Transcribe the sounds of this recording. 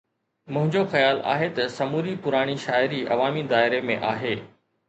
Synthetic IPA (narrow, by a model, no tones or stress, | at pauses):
mʊ̃ɦɪ̃ɲd͡ʑoxɐjaːla̰ːɦet̪ɐsɐmuːɾipʊɾaːɽ̃iʃaːɪɾiɐ̰ʋaːmid̪aːɪɾemḛ̃ʔaːɦeː